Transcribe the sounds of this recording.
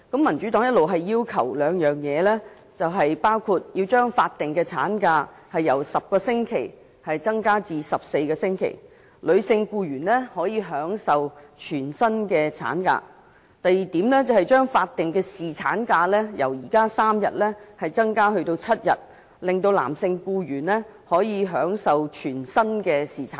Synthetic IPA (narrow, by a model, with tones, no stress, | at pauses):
kɐ˨˥mːɐ˨˩nt͡ʃy˨˥t̪ɔː˨˥ŋjɐ˥t̚lo˨wɦɐ˨jːiː˥wkʰɐ˨˩wlœː˨˧ŋjœː˨ŋjɛː˨˧lɛː˥ | t͡sɐ˨wɦɐ˨jpaː˥wkʰuː˧t̚ji˧wt͡ʃœː˥ŋfaː˧t̚t̪ːɪ˨ŋkɛ˧t͡sʰa̰ː˨˥nkaː˧ | hɐ˨jːɐ˨˩wsɐ˨p̚kɔː˧sɪ˥ŋkʰe˨˩j | hɐ˨jt͡sɐ˥ŋkaː˥t͡siː˨sɐ˨p̚se˧jkɛː˧sɪ˥ŋkʰḛ˨˩j | lɵ˨˧ɥsɪ˧ŋkuː˧jyː˨˩nlɛ˥hɔː˨˥jiː˧ɦœː˨˥ŋsɐ˨wt͡ʃʰyː˨˩nsɐ˥nkɛː˧t͡sʰa̰ː˨˥nka̰ː˧ | t̪ɐ˨jiː˨˩t̪iː˨˥mlɛ˥t͡sɐ˨wɦɐ˨˩jt͡ʃœː˥ŋfaː˧t̚t̪ːɪ˨ŋkɛː˧siː˨t͡sʰa̰ː˨˥nkaː˧lɛː˥jɐ˨˩wjiː˨˩kaː˥saː˥mjɐ̰˨t̚lɛː˥hɐ˨jt͡sɐ˥ŋkaː˥hɵ˧ɥt̪o˧wt͡sʰɐ˥t̚jɐ̰˨t̚ | lɪ˨ŋt̪o˧wla̰ː˨˩msɪ˧ŋkuː˧jyː˨˩nlɛ˥ | hɔː˨˥jiː˨˧ɦœː˨˥ŋsɐ˨wt͡ʃʰyː˨˩nsɐ˥nkɛː˧siː˨˩t͡sʰa̰ː˨˦